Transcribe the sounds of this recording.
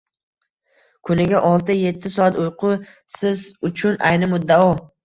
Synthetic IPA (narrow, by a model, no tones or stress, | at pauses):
kʰʊnɪɡʲaʔɒlˠt̪ɪje̞t̪ʰːɪsɒat̪ʊjqʰʊ | sɪzʊt͡ʃʰʊna̰jnɪmʊd̪ːaɒ